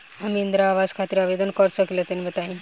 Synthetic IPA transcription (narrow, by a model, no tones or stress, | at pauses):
amiind̪ɾaːʋad͡zkʰat̪iɾaʋed̪ənkəɾsəkilət̪enmət̪aɦĩn